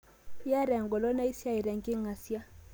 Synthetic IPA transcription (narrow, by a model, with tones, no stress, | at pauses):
ja˦ɾɛ˨ŋɡɔ˨lɔ˦na˦i˦sja˦i˨ɾɛ˨ŋ˨ki˦ŋa˨si˦a˦